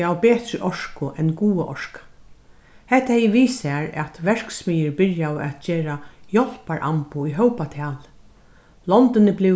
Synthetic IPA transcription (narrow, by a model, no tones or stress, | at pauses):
awpeːt̪ɾɪʔɔʂkʊʔɛnɡuːaʔɔʂkḁ | hɛht̪ːahɛjɪʋiːsɛaɹɛ̰t̪ʋɛɹ̥ksmiːjɪɹbɪɹjawɛ̰t̪t͡ʃeːɾajɔl̥paɹʔa̰mpʊiɦœwpat̪ʰɛːl | lɔnt̪ɪnɪblɪ